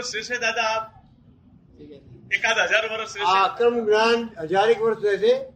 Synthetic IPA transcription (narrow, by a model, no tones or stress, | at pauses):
sesed̪aːd̪aːp̚ʰ | iekəd̪ɦəd͡ʒaɾʋəɾəseakɾəmɡnaːnɦəd͡ʒaːɾeːkʋəɾsase